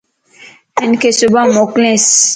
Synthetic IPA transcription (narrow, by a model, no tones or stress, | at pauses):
ɛnkesubamɔklɛ̃s